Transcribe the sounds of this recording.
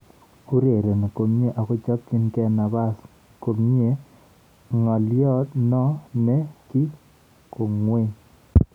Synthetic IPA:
u˦ɾe˨ɾe˨ne˨ko˨mɲe˦ʔa˨ko˦t͡ʃa˦p̚ki˦nkɛ˦na˨ba˦s | ko˨mɲ˦e˦ | ŋɔ˨ljɔ˦tnɔ˦nɛ˦ki˦ | ko˨ŋwe˦ɲ

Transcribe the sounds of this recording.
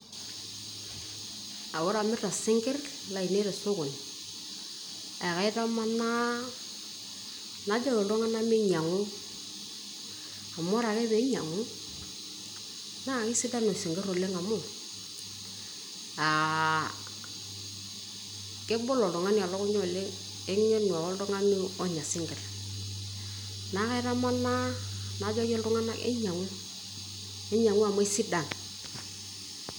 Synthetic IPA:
a˨wɔ˦ɾa˨mɪ˦ta˨sɪ˦ŋɡɪ˦r | la˨i˨ne˦ɾe˨sʊ˦kʊ˨n˨ | a˨ka˨ɪ˦ta˦ma˦na˦ | na˨˦d͡ʒa˦lɔ˨lɔ˦ŋa˦na˦mɪ˦ɲa˨ŋʊ˦ | a˨mɔ˦ɾa˨kɛ˦be˨˦ɲa˨ŋʊ˦ | na˦˨kɪ˦sɪ˦ta˦no˨sɪ˨ŋɡɪ˦ɾo˨le˦ŋa˨mʊ˦˨ | a˨ | ke˦bɔ˦lɔ˨dɔ˨ŋa˦ni˦˨a˨lɔ˦ku˦ɲɔ˦˨le˦ | e˦ŋ˦ɲe˦nu˨a˨ɔ˦ldɔ˦ŋa˦ni˦ɔ˦ɲa˨sɪ˦ŋɡɛ˨ɾ | na˦ka˦i˦ɾa˦ma˦na˦na˨˦d͡ʒɔ˦je˦ldʊ˦ŋa˦na̰˦ḛ˦ɲa˨ŋu˦ | e˦ɲa˨ŋu˦a˨mo˦i˦si˦da˨n

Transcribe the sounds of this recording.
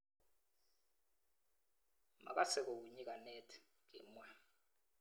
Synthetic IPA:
ma̰˨k̬a˦sɛ˨k̬o˨k̬u˨ɲi˦k̬ʼa˨nɛ˦tʰɛ̥ | k̬ḭ˨mwɛ˨

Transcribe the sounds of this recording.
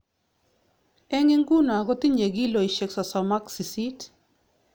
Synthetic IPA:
ɛ˦ŋi˦ŋɡu˦n˨a˨ɡɔ˦t̪i˦ɲe˨ɡi˦lo˨i˨ʃe˨ksɔ˨sɔ˨ma˦ksi˨si˦t

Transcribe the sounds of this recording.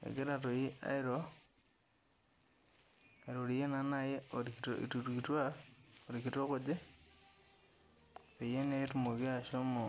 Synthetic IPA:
ḛɡe˦ɾato˨ji˦a̰i˦ɾo | a˨ɾoɾije˦na˦naje˦oḭtutkitwaoɾikito˦ko˦d͡ʒe˦ | pe˨je˦ne˦tumo˨ki˦a˨ʃo˦mo˨

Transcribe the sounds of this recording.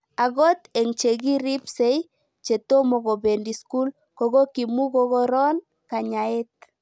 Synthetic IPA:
a˨ɣɔ˦t̪e˨ŋt͡ʃe˨ɡi˦ɾi˦pse˦j | t͡ʃe˨t̪o˦mɔ˨ɣɔ˨be˨ndi˨sku˦l | kɔ˨ɣo˦ki˨mu˦ɣɔ˦ɣɔ˦ɾɔ˦n | ka˨ɲa˨e˦t̪̚

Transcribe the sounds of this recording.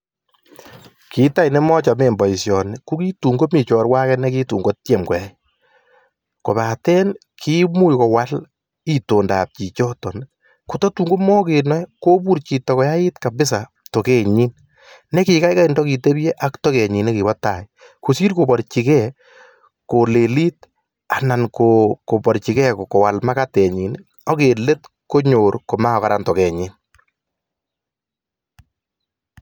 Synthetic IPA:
kʰi˨ta˦jne˦mɔ˦t͡ʃa˨me˨mbɔ˨i˨sjɔ˨ne˨ku˦ki˦tu˨ŋɡo˦mi˨t͡ʃɔː˨ɾwa˦kɛ˦nɛ˦ki˦tṵː˨ŋɡo˦tje˨mkɔ˨a˨˦j | ko˨βa˨tɛ˦n | kʰi˦mu˦jkɔ˨wa˦l | i˨to˨nda̰˨p̚t͡ʃi˨t͡ʃɔ˦tɔ˨n | ku˦tɔ˦tu˨ŋɡo˦mɔː˦ke˨nɔ˦ko˦bu˦ɾt͡ʃi˨tɔ˨kɔ˨ja˦ɪ˦tka˨bɪ˦s̬a˨ | to˨ke˦˨ɲi˦n | nɛ˦kɪ˨ka˦jka˦i˨ndɔ˦ki˨te˦bjɛ˦ʔa˦ktɔ˦kɛ˨ɲi˨ne˦ki˨bɔ˦ta˨ɪ | ko˨siː˦ɾko˨bɔ˨ɾt͡ʃi˨kɛ˦ | ko˨le˨li˦t̚ | a˨na˨nkoko˨pɔ˨ɾt͡ʃi˨kɛ˦kko˨wa˨lma˦ka˦tɛ˨ɲi˨n˦ | ɔ˦ke˨le˦t | ko˦ɲo˨ɾko˨ma˦ɔ˨ka˦ɾa˦ntɔ˨kɛ˨ɲɪ˦n

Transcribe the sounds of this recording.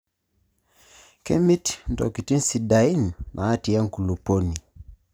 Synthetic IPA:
kɛ˦mi˦tn˨tɔ˨ki˨ti˦nsidai˦nmʔaa˦ti˨ja˦ŋ˨ku˨lupɔ˦ni˨

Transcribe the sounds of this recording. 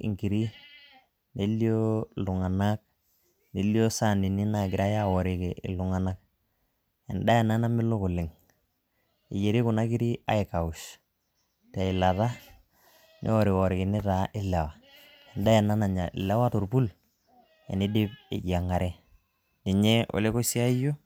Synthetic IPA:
ḭ˨ŋki˨ɾi˦ | ne˦li˦o˦lʊ˨ŋa˨na˦k̚ | ni˨li˦o˦sa˦˨ni˨ni˦na˨ɡɪ˨ɾa˦ja˦wɔ˨ɾɪ˨ki˨ɪ̰˨lʊ˨ŋa˨na˦k̚ | ɛ˨nda˦jɛ˨na˦na˦mɪ˦lʊ˦kʊ˨lɪ˨ŋ | ḭ˨je˨ɾi˦kʊ˨na˦ki˦ɾi˦a̰˨˦ɪ˨ka˨ʊ˨ʃ | ta˨ɪ˨la˨ta˦ | nʔḭ˦ɔ˦˨ɾɪ˨wɔ˨ɾɪ˨kɪ˨nɪ˦ta˨ʔɪ˦lɛ˨wa˨ | ɛ˨nda˦ɛ˨na˦na˨ɲa˨ɪ̰˨lɛ˦wa˦tu˨ɾpu˦l | ɛ̰˨nɪ˦dɪ˦pɪ̰˨ja˨ŋa˨ɾɛ˦ | ni˨ɲɛ˦o̰˨le˦ko˦si˦a˦i˦jo˦

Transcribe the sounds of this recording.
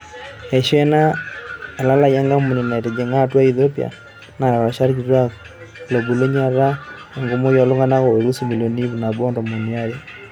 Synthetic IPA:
e˨ʃɛ˦na˦e˨la˦la˦ja˦ŋɡa˦mu˨ni˨na˨ɾɛ˨d͡ʒɛ˨ŋa˦twa˦i˨θɔ˦pia̰˨ | na˨a˨a˨ʃa˦ɾki˨ɾwa˦ | lo˨bu˨lo˦ɲa˦ɾa˦ | ŋɡo˨mo˦jɔ˨lo˦ŋɡa˦na˦ko˨we˨ɾu˦si˦mi˨lo˨ni˦βu˨na˨bɔ˦ndɔ˨mo˨ni˨a˦ɾe˦

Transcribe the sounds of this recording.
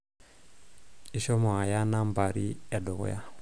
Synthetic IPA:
i˨ʃɔ˦mɔ˨a˨ja˦na˦mba˨ɾi˦ɛ˨dɔ˨ɣɔ̰˦ja̰˦

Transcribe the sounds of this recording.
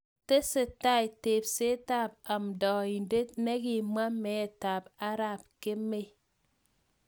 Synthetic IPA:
te˦se˨ta˦e˨te˨p̚se˦ta˦˨p̚a˨m˨dɔ˨i˨n˨de˦ne˦ɣi˨ma˦me˨e˨ta˨pa˦ɾa˦˨p̚ke˦me˦

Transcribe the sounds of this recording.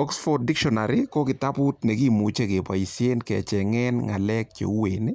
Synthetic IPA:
ɔ˦ksfɔdɪ˦kʃɔnaɾikɔ˦kɪ˨ta˦pu˦tnɛ˨ki˦mu˨t͡ʃe˦ke˨pa̰˨i˨sje˦nkɛ˨t͡ʃɛŋɛ˦nŋa˨lɛ˦k̚t͡ʃḛ˨u˦wene˦

